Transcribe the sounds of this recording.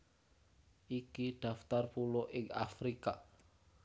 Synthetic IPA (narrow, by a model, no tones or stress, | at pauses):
ʔikiɖ̥a̤ft̪arpuloʔɪŋafɾika